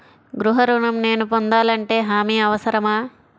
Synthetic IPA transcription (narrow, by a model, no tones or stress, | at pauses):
ɡɾuɦɐɾuɳɐmne̞ːnupond̪aːlɐɳʈe̞ːɦaːmiːɐʋɐsɐɾɐmaː